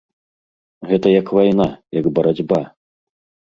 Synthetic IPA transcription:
ɣɛt̪ɐjɐkvajnajɐɡbɐɾad͡zʲba

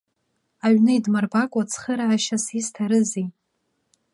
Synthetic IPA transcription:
aɥnɨidmarbakʷʼat͡sʰχəɾaːʃasistʰaɾɨzi

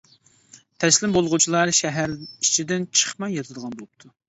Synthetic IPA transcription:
t̪ʰɛslɪmbolˠʁut͡ʃʰilˠɑɾʃɛɦæɾi̥t͡ʃʰid̪ɪnt͡ʃʰə̥χmɑjɑt̪ʰɨd̪əʁɑnbolˠupt̪ʰu

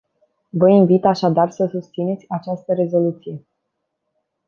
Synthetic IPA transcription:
vəinvit̪aʃad̪arsəsust̪sine̞t̪sʲat͡ʃast̪əɾe̞zo̞lut̪sije̞

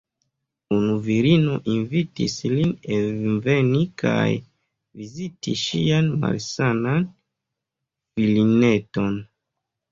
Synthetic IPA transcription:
unuviɾino̞ʔinvitḭslinevenikʰa̰j | vizitiʃianma̰lsanan | filineto̞n

